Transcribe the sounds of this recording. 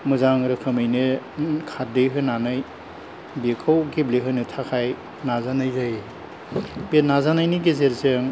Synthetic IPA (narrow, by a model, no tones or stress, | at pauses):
mɯzaŋɾɯkʰɯmɯjnɯkʰaɾdeɦɯnanɯj | bekʰawɡebleɦɯnɯtʰakʰaj | nazanajzaj | b̥enazanajniɡezeɾzɯŋ